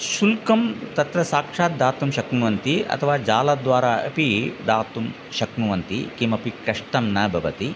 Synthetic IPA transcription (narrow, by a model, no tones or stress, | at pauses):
ʃulkɐmt̪ɐt̪ɾɐsaːkʂaːt̪̚d̪aːt̪umʃɐknuʋɐnt̪iɐ̰t̪ʰɐʋaːd͡ʒaːlɐd̪ʋaːɾaːɐ̰pid̪aːt̪um | ʃɐknuʋɐnt̪ikimɐpikɾɐʂʈɐmnɐbʱɐʋɐt̪i